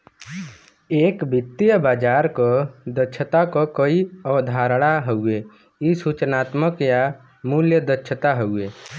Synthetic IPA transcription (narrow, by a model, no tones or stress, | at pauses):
eːkbʱɪt̪ːijəbaːd͡ʒaːɾkod̪ət͡ʃʰət̪akokoiəʋd̪ʱaːɾɽaɦəue | isut͡ʃnaːt̪məkja | muljəd̪ət͡ʃʰət̪aɦəueː